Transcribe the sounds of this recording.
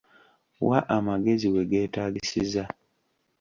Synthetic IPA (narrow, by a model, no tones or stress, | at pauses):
waʔamaɡe̞ziwe̞ɡe̞ːtaːɡisiza